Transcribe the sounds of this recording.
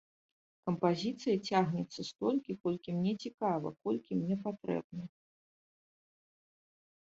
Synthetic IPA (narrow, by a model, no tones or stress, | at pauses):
kɐmpazʲit̪sɨjɐt͡sʲaɣnʲɛt̪sːɐst̪ɔlʲkʲikɔlʲkʲimnʲɛt͡sʲikavɐ̰kɔlʲkʲimnʲɛpat̪ɾɛ̰bnɐ